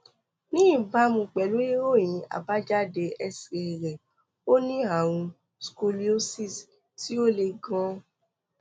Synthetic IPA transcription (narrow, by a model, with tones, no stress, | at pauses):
nĩ˦i˦˨ba˨˦mũ˧k͡pɛ˨lu˨˦i˦o˦˨j̃ĩ˨˧a̰˨ba˨˦d͡ʒa˦de˧ɛ˧si˨ɾɛ˨ɾɛ˨ | o˦nĩ˦a˦˨w̃ũ˧ | sku˧li˦o˦si˦˨s | ti˦o˦le˧ɡã˧